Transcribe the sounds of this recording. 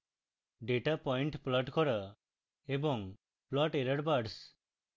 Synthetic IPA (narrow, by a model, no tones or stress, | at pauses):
ɖeʈapɔjɳʈplɔʈkɔɾɔ | ebɔŋ | plɔʈeɾəɖbaɖs